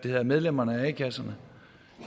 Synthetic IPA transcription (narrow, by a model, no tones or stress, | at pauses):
d̥e̝he̝ð̞ˠɐmeð̞ˠlem̰ɐnəæækʰæsɐnə